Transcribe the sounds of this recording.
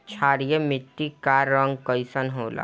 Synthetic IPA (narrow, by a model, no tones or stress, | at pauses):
t͡ʃʰaːɾijəmɪʈːikaːɾːɔ̃ŋɡkəɪsənɦoːla̰ː